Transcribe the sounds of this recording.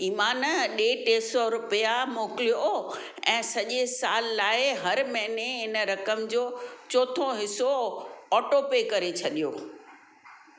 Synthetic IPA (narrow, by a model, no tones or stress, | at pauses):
iːmaːnɗeːʈeːsɔɾʊpijamoːkɪlijo | ɛ̃ːsɐʄesaːlːaːɪɦɐɾmɐ̃ɦɪneɦɪnəɾɐkəmd͡ʑoːt͡ɕoːt̪ʰoɦɪsoɔːʈopekɐɾet͡ɕʰɐɗijo